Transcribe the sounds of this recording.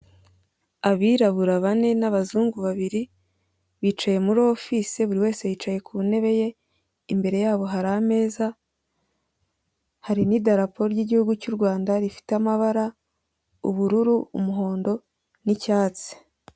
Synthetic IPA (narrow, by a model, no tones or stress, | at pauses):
aβiːɾaβuɾaβane̞naβazuːŋɡuβaβiɾi | βiːt͡ʃaje̞muɾo̞fiseβuɾiwe̞ːse̞βiːt͡ʃaje̞kune̞βe̞je̞ | imbe̞ɾe̞jaːβo̞ɦaɾaːme̞ːza | haɾinidaɾapoɾoɾɟiɟihuɡucuɾɡwaːndaɾifi̥teamaβaɾa | ṵβuɾuɾuumuɦo̞ːndo̞ | nicaːt͡se̥